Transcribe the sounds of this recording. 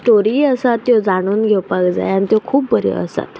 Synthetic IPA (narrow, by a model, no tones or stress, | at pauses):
sʈoɾiːəsat̪ːjod͡zaɽ̃uːnɡʱewpakd͡za̰janit̪jokʰuːp̚bəɾḛə̰sa̰t̪